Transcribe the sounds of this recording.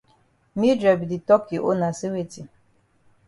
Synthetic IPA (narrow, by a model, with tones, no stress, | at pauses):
mi˦dɾa˨bi˨di˨tɔ˦kʰi˨ʔo̰˦nã˨sɪ˦we˦ti˨